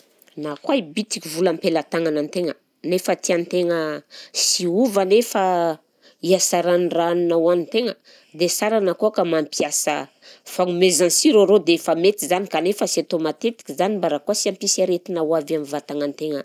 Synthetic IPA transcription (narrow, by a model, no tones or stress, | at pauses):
nakwaibit̪i̥kʲivulampelat̪aŋanant̪eŋə | nefət̪iant̪eŋəsiuvanefə | iasaɾanraninawanint̪eŋə | d̪esaɾanakukamampiasə̰ | faŋumezansiɾoɾod̪eefamet̪izanikanefəset̪omat̪et̪i̥kʲizanimbaɾakuasiampisaɾet̪inawavamivat̪aŋant̪eŋə